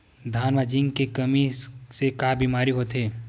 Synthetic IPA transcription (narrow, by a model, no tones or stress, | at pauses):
d̪ʱaːnʋad͡ʒɪ̃ŋɡkekɐmisekaːbiːmaːɾiɦoːt̪ɦeː